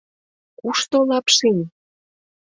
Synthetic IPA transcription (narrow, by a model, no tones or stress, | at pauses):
kuʃt̪olɑpʃinʲ